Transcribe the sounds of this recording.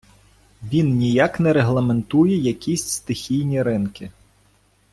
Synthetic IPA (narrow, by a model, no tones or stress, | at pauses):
ʋʲinnʲijaknɛɾeɦlˠɐme̞nt̪ujɛjɐkʲisʲst̪ɪxʲijnʲiɾɪnkɪ